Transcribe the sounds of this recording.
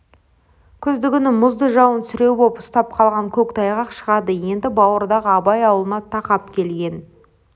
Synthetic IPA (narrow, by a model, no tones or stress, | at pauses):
kʲʰʏzd̪ɪɡʲɪnɪmʊzd̪əʒɑwənt̪sʏɾe̞wbopʊ̥st̪ɑp̚qʰɑlˠʁɑŋkʲʰɵkt̪ʰɑjʁɑqʃəʁɑd̪əje̞nd̪ɪbɑwəɾd̪ɑʁəɑbɑjɑwlˠənɑt̪ʰɑqɑpkʲʰe̞lɡʲe̞n